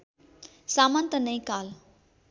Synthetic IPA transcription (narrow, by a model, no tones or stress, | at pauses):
samant̪ənəj̃kal